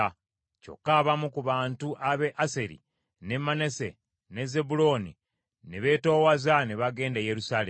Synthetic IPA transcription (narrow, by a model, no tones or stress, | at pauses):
co̞̰kːaːβamukuβaːntuʔaβe̞ʔase̞ɾḭ | ne̞mane̞se̞̰ | ne̞ze̞bulo̞ːni | neβe̞ːto̞ːwazaneβaɡe̞ːndeje̞ɾusaːle